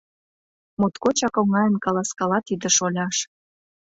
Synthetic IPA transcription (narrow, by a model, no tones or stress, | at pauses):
mot̪kot͡ɕɑkoŋɑjənkɑlɑskɑlɑt̪id̪ə̆ʃolʲɑʃ